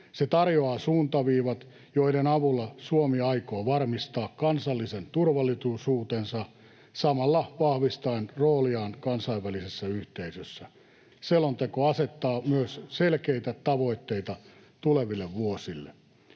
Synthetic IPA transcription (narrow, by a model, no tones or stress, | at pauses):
set̪ɑrjoɑːsuːnt̪ɑʋiːʋɑt̪ | joidenɑʋulːɑsuomiɑikoːʋɑrmist̪ɑːkkɑnsɑlːisent̪urʋɑlːˑit̪usuːt̪ensɑ | sɑmɑlːɑʋɑhʋist̪ɑenroːliɑːnkɑnsɑiʋːælisesːæyht̪eisøsːæ | selont̪ekoɑset̪ːɑːmyøsselkeit̪æt̪ɑʋo̞it̪ːeit̪ɑ | t̪uleʋilːeʋʋuosilːḛ